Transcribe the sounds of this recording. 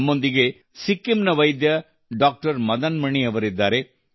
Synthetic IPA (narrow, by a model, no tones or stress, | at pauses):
mːo̞nd̪iɡe̞ | sikːimnɐʋɐjd̪jɐ | ɖaːk̚ʈɐɾmɐd̪ɐnmɐɳiɐʋɐɾid̪ːaːɾe